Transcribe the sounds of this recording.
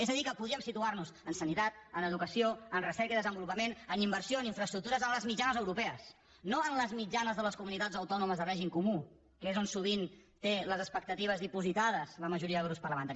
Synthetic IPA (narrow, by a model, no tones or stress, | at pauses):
ezəðikəpuðɾiəmsit̪uaɾnuzənsənit̪at̪̚ənəðukəsioənrəsɛɾkəiðəzəmbulupəmenənimbəɾsioəniɱfɾəst̪ɾuk̚t̪uɾəzənləzmid͡ʒanəzəwɾupɛəs | noənləzmid͡ʒanəzðələskumunit̪ad͡zəwt̪ɔnuməzðərɛʒimkumu | kezonsuβ̞int̪eləzəspək̚t̪ət̪iβəzðipuzit̪aðəzləməʒuɾiəðɛwɾupspəɾləmənt̪aɾi